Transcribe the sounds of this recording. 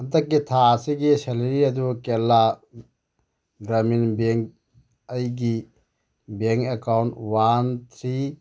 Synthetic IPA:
ɐdɐkːitʰasiɡiseleɾiɐdukelːa | ɡɾaminbeŋk | ɐjɡi | beŋkekawntwant̪ʰɾi

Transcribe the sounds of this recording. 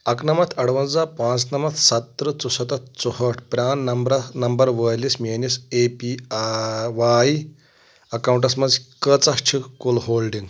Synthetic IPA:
ɐknɐmɐt̪ʰɐɽʋɐnd͡zapãːt͡snɐmɐt̪ʰsɐt̪ːɾət͡susɐt̪ɐt̪̚t͡suɦəʈʰpɾʲaːnnɐmbɾɐnɐmbəɾʋəjlismenisepi | ʋai | ɐkawũɳʈɐsmɐzkət͡sɐst͡ʃʰikulɦoːlɖiŋɡ

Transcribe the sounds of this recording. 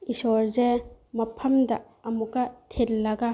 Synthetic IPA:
isɔɾzemɐpʰɐmdɐ̰ | ɐmukɐtʰetlɐɡa

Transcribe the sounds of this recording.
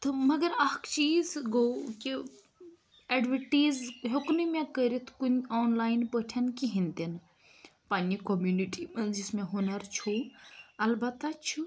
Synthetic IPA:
t̪ʰɨmɐɡɐɾɐkʰt͡ʃiːzɡoːki | ɐɖʋəʈiːzɦoknimẽkəɾit̪ʰkunɔːnlaːjnpəʈʰɐnkiɦĩnd̪in | panikomjuniʈimɐnd͡ʒismẽɦunɐɾt͡ʃʰoɐlbɐt̪ːat͡ʃʰu

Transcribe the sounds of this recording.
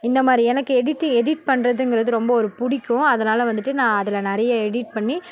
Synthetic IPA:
ɪnd̪ɐmaːd̪ɾiɛnɐkːɯɛɽɪʈːɪŋɛɽɪʈ̚pɐɳɾɐðɯŋɡɪɾɐðɯɾɔmbɐɔɾɯpʊɽɪkːʊ̃ɐðɐnaːlɐʋɐnd̪ɯʈːɯnãːɐðɪlɐnɐɾɐjɐɛɽɪʈ̚pɐɳːi

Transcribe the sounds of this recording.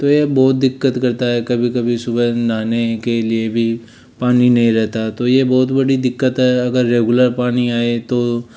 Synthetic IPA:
t̪ojebɔːt̪̚d̪ɪkːət̪kɐɾt̪aɦɛkɐbʱikɐbʱisʊbɛnaːnekeliebʱi | paːninɐɦĩɾɛɦt̪aɛt̪ojebɔːt̪bɐɽid̪ɪkːət̪ɦɛɐɡəɾːeːɡʊləɾpaːniaːet̪oː

